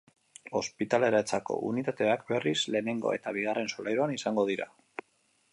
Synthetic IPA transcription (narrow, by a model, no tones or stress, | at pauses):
o̞spit̪ale̞ɾat͡sako̞̰ʔunit̪at̪e̞akbe̞risle̞ːne̞ŋɡo̞̰e̞̰t̪aβ̞iɣare̞nso̞lajɾoanisaŋɡo̞ð̞iɾa̰